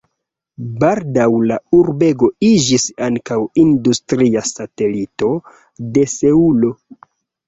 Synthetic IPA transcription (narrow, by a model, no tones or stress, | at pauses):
baldawlauɾbe̞ɡo̞id͡ʒisaŋkawindustɾiasate̞lito̞ | de̞se̞ulo̞